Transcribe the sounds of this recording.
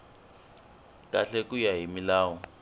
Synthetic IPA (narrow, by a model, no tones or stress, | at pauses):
kʼaɬɛkʼujaɦimilaːwɔ